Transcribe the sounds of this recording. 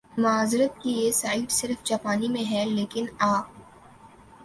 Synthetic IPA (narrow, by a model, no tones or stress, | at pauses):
mʊaːzɪɾət̪̚kijesaːiːd̪sɪɾfd͡ʒaːpaːnimẽɦɛleːkɪnaː